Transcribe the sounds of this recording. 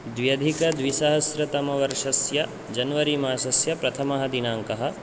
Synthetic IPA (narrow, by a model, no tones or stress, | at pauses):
d̪ʋjɐd̪ʱikɐd̪ʋisɐɦɐsɾɐt̪ɐmɐʋɐɾʂɐsjɐ | d͡ʒɐnɐʋɐɾimaːsɐsjɐpɾɐt̪ʰɐmɐɦɐd̪inaːŋkɐɦɐ̆